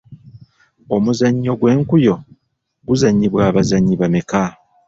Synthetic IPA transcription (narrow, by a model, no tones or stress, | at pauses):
o̞muzaɲːo̞ɡwe̞ːŋkujo̞ | ɡuzaɲːiβwaːβazaɲːiβameka